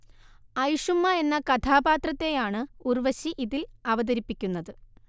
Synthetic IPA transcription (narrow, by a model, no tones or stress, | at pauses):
ɐjuʂumːɐe̞nːɐkɐt̪ʰaːbaːt̪rɐt̪ːe̞jaːɳɨurʋɐɕiʔiðilɐʋɐðɐɾipːikʲːunːɐðɨ